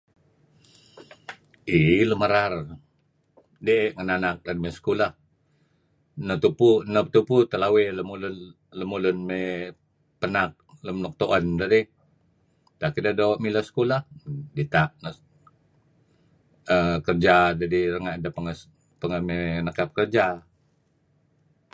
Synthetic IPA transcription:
iləməɾar | deʔʔŋənanak̚danmesə̥kulah | nət̪upunət̪uput̪əlaweləmulʊn | ləmulʊnme | pənak̚ləmnɔk̚t̪oʔandadi | t̪akidadoʔmilasə̥kulahdit̪aʔnə | əkərd͡ʒad͡ʒadirəŋaʔdapəŋə | pəŋəmenəkap̚kərd͡ʒa

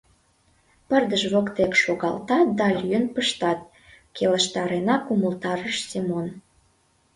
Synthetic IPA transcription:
pərd̪əʒβokt̪ekʃoɣɑ̰lt̪ɑt̪̚d̪ɑlʲyənpəʃt̪ɑt̪̚ | keləʃt̪ɑɾenɑkuməlt̪ɑɾəʃsimon

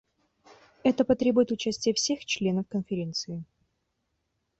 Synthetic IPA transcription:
ɛt̪əpɐt̪ɾʲe̞bʊjɪt̪ʊt͡ɕæsʲtʲɪjəfsʲe̞xt͡ɕlʲe̞nəfkənfʲɪɾʲe̞nt̪sɨɪ

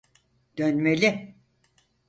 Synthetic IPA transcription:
d̪̥ønmelʲi

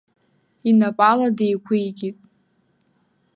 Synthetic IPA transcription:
inapʼaladejkʷʰijkʲʼitʼ

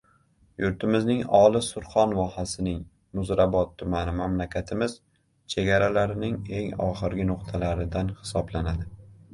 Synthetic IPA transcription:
jʊɾt̪ʰɪmɪznɪŋɒlˠɪsʊɾχɒnvɒhasɪnɪŋ | mʊzɾabɒt̪ʰːʊmanɪmamlakʲʰat̪ʰɪmɪz̥ | t͡ʃʰe̞ɡʲaɾalaɾɪnɪŋe̞ŋɒ̰χɨɾɡʲɪnʊqt̪ʰalaɾɪd̪anhɪ̥sɒblanad̪ɪ

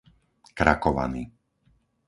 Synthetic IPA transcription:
kɾa̰kɔʋa̰niː

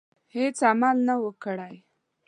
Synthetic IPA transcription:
het͡samalnawəkɽaj

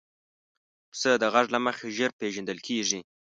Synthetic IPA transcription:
səd̪əɣaʐlaməxeʒeɾpeʒand̪əlkʰeʐi

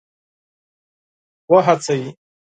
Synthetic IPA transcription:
waħat͡sʰaji

